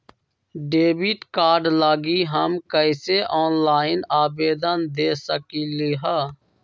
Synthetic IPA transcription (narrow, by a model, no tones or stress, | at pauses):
ɖeːbiʈkaːɾɖlaːɡiːɦəmkəɪseʔɔːnlaːɪnaːbeːd̪ənd̪eːsəkiːleːɦəː